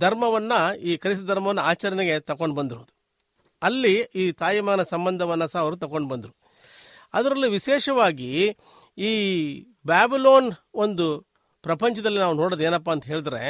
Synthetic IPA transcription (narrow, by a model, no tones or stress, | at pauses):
d̪ʱɐɾmɐʋɐnːɐiːkɐɾisɐd̪ʱɐɾmɐʋɐnːɐaːt͡ʃɐɾɐneɡe̞t̪ɐko̞ɳɖbɐnd̪iɾod̪u | ɐlːiiːt̪aːjimɐɡɐnɐsɐmbɐnd̪ʱɐʋɐnːɐsɐɦɐʋɐɾut̪ɐkoɳɖbɐnd̪uɾu | ɐ̰d̪ɐɾɐlːiʋiʃɛːʂɐʋaːɡi | iː | bjaːbiloːno̞nd̪u | pɾɐpɐɲt͡ʃɐd̪ɐlːinaːʋunoːɽod̪eːnɐpːaːnt̪ɐɦe̞ːɭid̪ɐɾe